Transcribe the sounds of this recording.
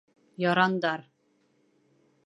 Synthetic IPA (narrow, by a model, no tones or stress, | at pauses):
jɒɾɑnd̪ɑɾ